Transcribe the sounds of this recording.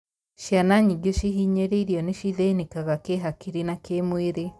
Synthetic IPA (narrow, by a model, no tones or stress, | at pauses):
ʃjanaɲiɡoʃiɦiɲeɾeiɾijoniʃiðenekaɣakeɦakiɾinakeːmweːɾe